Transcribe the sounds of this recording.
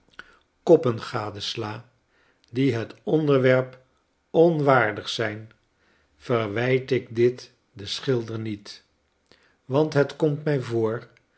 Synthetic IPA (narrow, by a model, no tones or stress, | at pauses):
kɔpənχaːdəslaː | diɦətɔndəɹʋɛɹp | ɔnʋaːɹdəχsɛjn | v̥ərʋɛjtɪɡdɪt | dəsχɪlˠdəɹnit | ʋɑntɦətkɔmtmɛjvoːɹ